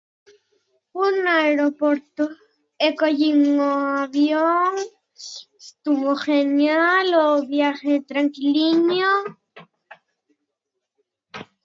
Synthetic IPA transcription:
unaeɾopoɾt̪o | ekoʎiŋoaβjoŋ | est̪uβoxenjaloβjaxet̪ɾaŋkiliɲjo

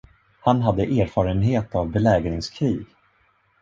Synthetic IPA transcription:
hanɦad̪ːəʔeːɾfɑːɾənɦeːt̪avbɛlɛːɡɾɪŋskʰɾiːɡ

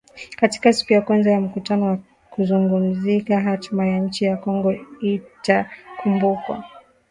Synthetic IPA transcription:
kati̥kasi̥kujakwanzajam̩kutanɔwa | kuzuŋɡum̩zikaɦatmajaɲ̩t͡ʃijakɔŋɡɔitakʰumbukwa̰

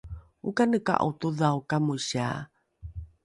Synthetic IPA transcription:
ukanəka̰ʔo̰t̪uðawkamuɕa

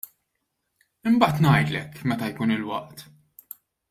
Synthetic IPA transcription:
ɪmbɐːt̪nɐjt̪lɛkmɛt̪ɐjkuːnɪlwɐ̰ʔt̪

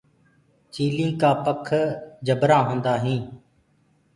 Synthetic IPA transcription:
t͡ʃiːlĩːkaːpəkʰd͡ʒʱəbɾãːɦõːnd̪aːɦĩː

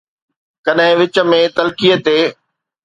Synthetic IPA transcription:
kɐɗɦɪ̃ʋɪt͡ɕə̆mẽt̪ɐlkijət̪eː

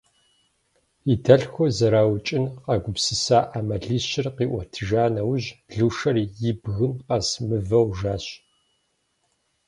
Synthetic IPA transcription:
itʰɐɬxʷɔzɐɾaːwt͡ʃʼɪnqɐɡʷʊpsɨsaːʔamɐɮiːɕɪrqiːʔʷɔtʰɨʒaːnɐwʑɮuːʃɐrjɪbɣɨnqɐsmɨvɐwʒaːɕ

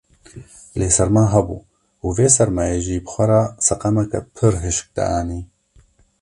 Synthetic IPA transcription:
leːsɛɾmaːɦɛbṵː | uveːsɛɾmaːjeːʒiːbɨxʷɛɾaːsɐqɑmɛkɛ̰pʰɨɾɦɨʃk̚d̪a̰ʔaːniː

